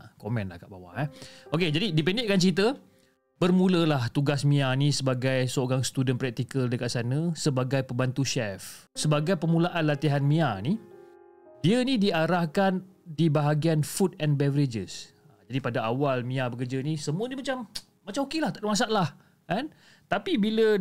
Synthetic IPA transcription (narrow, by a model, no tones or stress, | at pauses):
komɛ̃nla̰hkaʔbawa̰ʔhɛoked͡ʒadidipɛndɪʔkant͡ʃɾit̪̬ə | bərmũləlaht̪uɡasmĩanisəbaɡajsəoɾaŋsə̥t̪udənpɾɛk̚t̪ikəldəkat̪̚sanə̃səbaɡajpəmbant̪uʃɛf | səbaɡajpəmulaʔanlat̪iɦanmiani | diənĩdiaɾahkandibaɦaɡianfutɛnbɛvəɾed͡ʒəs | d͡ʒadipadaawalmĩabəkərd͡ʒanĩsəmuənimat͡ʃam | mat͡ʃamhokilaht̪aʔdəmas̬aʔlah | kan | t̪apibilə